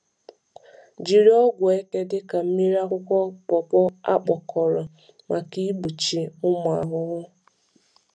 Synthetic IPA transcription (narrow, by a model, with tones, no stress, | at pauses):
d͡ʒi˨ɾi˦ɔ˦ɡʷe˦ke˦dɪ˦ka˨m̩˦mi˦ɾa˦kʷʊ˦kʷɔ˦pɔ˨pɔ˦a̰˦k͡pɔ˨kʰɔ˨ɾɔ˨ | ma˨ki˦bu˨t͡ʃi˨ʊ˦m˨a˨ɦʊ˦ɣʊ˦